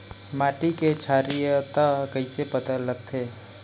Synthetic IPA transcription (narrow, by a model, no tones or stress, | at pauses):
maːʈiket͡ʃʰaːɾijət̪akəɪsepət̪ələɡt̪ʰeː